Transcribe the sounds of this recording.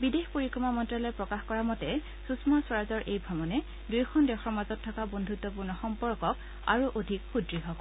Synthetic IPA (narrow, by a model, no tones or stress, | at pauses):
bidexpoɹikɹɔmamɔntɹalɔɛpɹɔkaxkɔɹamɔtɛ | susmaswaɹazɔɹʔejbʱɹɔmɔnɛ | dujkʰɔndɛxɔɹmazɔtʰːɔkabondʱutːɔp̬uɹnɔxɔmpɔɹkɔk | a̰ɹuʔodʱikxudɹiɦɔbɔ